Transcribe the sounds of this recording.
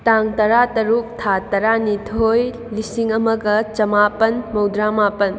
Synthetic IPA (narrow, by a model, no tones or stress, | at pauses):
taŋtɐɾatɐɾuk̚tʰatɐɾanitʰoj | lisiŋɐmɐɡɐt͡ʃɐmapɐnmɐwdɾamapɐn